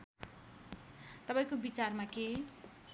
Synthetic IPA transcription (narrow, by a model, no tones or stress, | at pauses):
t̪ʌpaĩkobit͡sarmake